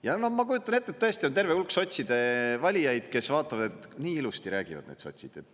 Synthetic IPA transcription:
jɑno̞hmɑkujut̪ːˑɑne̞t̪ːet̪ːɤest̪iont̪e̞rveulkso̞t̪ʲsid̪̥e̞vɑlʲijɑjd̪̥ke̞svɑːt̪ˑːɑvɑd̪et̪niːilust̪iɾæːɡ̥ivɑ̰̥nḛːd̪so̞̰t̪ʲsid̪̥e

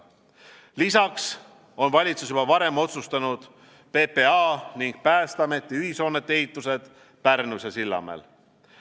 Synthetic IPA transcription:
lisɑks | o̞nvɑlʲit̪susyb̥ɑvɑɾe̞mo̞t̪sust̪ɑnud̪̥ | pe̞pe̞ɑːniŋɡ̥̚pæːst̪ɑme̞t̪ːˑiyɦiso̞ːnːet̪ːˑe̞it̪ːˑuse̞d̪̥ | pærnusɑsilːɑ̰mḛl

